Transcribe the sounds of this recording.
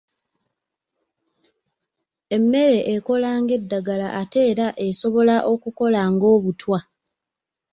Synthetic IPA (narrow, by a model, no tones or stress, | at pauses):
e̞mːe̞ɾe̞ʔːko̞laːŋɡe̞dːaɡalaʔate̞ːɾaʔe̞so̞βo̞laʔo̞kuko̞laŋɡo̞ːβutwa